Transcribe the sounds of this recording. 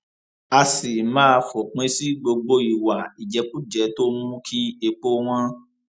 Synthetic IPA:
a˧si˨mãː˦˧fo˨k͡pẽ˨˦si˦ɡ͡bo˧ɡ͡bo˧i˨wa˨i˨d͡ʒɛ˨˦k͡pũ˦˨d͡ʒɛ˨˦to˦mũ˦kʰi˦e˧k͡po˦w̃ɔ̃˦

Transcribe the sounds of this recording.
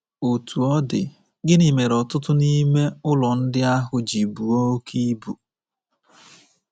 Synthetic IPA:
o˨tʰu˨ɔ˦dɪ̰˨ | ɡɪ˦ni˨me˨ɾɔ˨tʊ˦tʊ˦ni˦me˦ʊ˦lɔ˨n̩˦dɪ˦a˦ɦʊ˨d͡ʒi˨bu˨o˦kʰi˦bu˨

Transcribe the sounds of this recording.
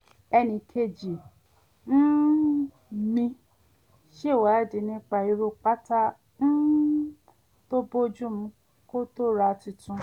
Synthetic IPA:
ɛ˧nĩ˧kʰe˧d͡ʒi˨ | n̩˦ | mĩ˧ | ʃe˦˨wa˨˦˨di˨nĩ˦k͡pa˧i˨˧ɾu˧k͡pa˦ta˦ | n̩˦ | to˦bo˦d͡ʒũ˦m̩̃˨˧˦ | ko˦to˦ɾa˧ti˧tũ˧˦

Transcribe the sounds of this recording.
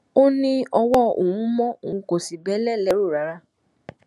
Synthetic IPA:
o˦nĩ˦ɔ˧wɔ˦o̰˨w̃ũ˦mɔ̃˦o˨ũ˧ko˨si˨bɛ˨˦lɛ˦˨lɛ˦ɾu˦˨ɾa˨˦ɾa˦

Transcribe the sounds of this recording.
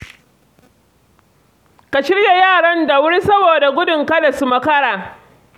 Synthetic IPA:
ka˨ʃɪ˦rja˨jaː˦˨ɽɐ˦nda˨wʊ˦ɽi˦sɐ˦boː˨da˨ɡʷʊ˦dʊ˨ŋkɐ˦le˨su˦mɐ˦kɐ˦ɽaː˨

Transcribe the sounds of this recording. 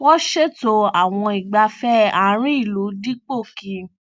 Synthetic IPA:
wɔ˦ʃe˦˨to˧a˨w̃ɔ̃˧i˨ɡ͡ba˧fɛ˦ã˨˦ɾ̃ĩ˦i˦˨lu˨˦di˦k͡po˦˨kĩ˧

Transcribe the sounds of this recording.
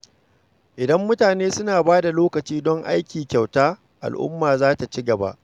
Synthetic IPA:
ʔɪ˨dɐ˦mːʊ˦taː˨neː˦sʊ˦naː˨baː˦da˨loː˦kɐ˨t͡ʃiː˦dɔ˦ŋʔa̰˦jkʲiː˨kʲa˨wtaː˦ | ʔa̰˨lʔʊ̰˦mːaː˨zaː˦ta˨t͡ʃɪ˦ɡɐ˨ba̰˦ʔ

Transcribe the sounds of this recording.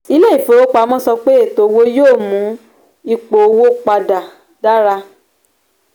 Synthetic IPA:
i˦le˦i˦˨fo˨˦o˦k͡pa˧˦mɔ̃˦sɔ˧k͡pe˦e˦˨to˨˦˧wo˦joː˦˨mũ˨˦ | i˧k͡po˨o˧wo˦k͡pa˧da˨ | da˦ɾa˧

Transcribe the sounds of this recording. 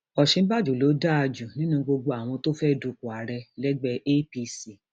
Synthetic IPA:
ɔ˨ʃĩ˧˦ba˦d͡ʒu˨lo˨˦da˦a˧d͡ʒu˨nĩ˦nũ˦ɡ͡bo˧ɡ͡bo˧a˨w̃ɔ̃˧to˦fɛ˦˨du˨˧ku˨a˨ɾɛ˧lɛ˦ɡ͡bɛ˧ʔe˦pi˧si˨

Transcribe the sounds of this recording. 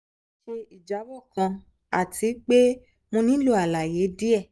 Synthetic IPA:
ʃe˧i˨d͡ʒa˨˦bɔ˦˨kã˧ | a˨tʰi˨˦k͡pe˦ | mõ˧nĩ˦lu˦˨a˨la˨je˨˦di˦ɛ˦˨

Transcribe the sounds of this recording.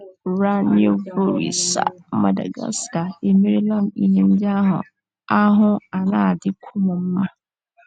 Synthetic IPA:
ɾa˦nɪ̃˦ɛ˦vo˦ɾḭ˨sa̰˨˦mã˦da̰˨ɡa̰˦sta˨e˨mi˦ɾi˦lã˦nḭ˨nĩ˦m˦bi˦a˦ɦʊ̰̃˨ | a˦ɦʊ̃˦a˨nãː˦˨dɪ˦kʰʊ˦mʊ̃˨m̩˦mã˦

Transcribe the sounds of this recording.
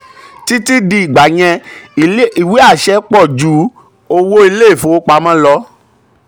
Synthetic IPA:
ti˦ti˦di˧i˨ɡ͡ba˨j̃ɛ̃˧˨˦ | i˨we˨˦a˦˨ʃɛ˧˦k͡pɔ˦˨d͡ʒu˨˦ | o˧˦wo˦i˧le˦e˦˨fo˨˦k͡pa˧mã˦lɔ˦

